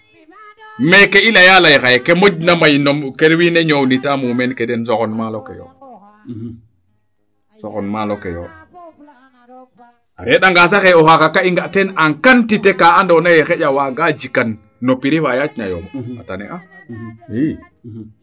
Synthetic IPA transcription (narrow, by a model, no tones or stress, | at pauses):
mekeilajalajxajekemod͡ʒnamajnokeɾwineɲownitamumenkedens̬okɔnmalokḛjo̰ | sokɔnmalokḛjo̰ | aɾeɗaŋɡas̬axeoxakakaiŋɡaʔtenaŋkantitekaandonajexeɟawaɡad͡ʒikanː | opiɾifajat͡ʃɲa̰jo̰moa̰tanḛʔa